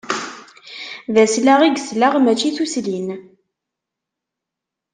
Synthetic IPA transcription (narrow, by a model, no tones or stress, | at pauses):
ðæslaʁiɡslaʁmæt͡ʃːiθuslin